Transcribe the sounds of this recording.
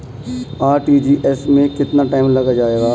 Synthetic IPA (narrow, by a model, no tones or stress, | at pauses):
aːɾʈid͡ʒiːʔɛsmẽkɪt̪naʈaːɪmlɐɡad͡ʒaːeːɡaː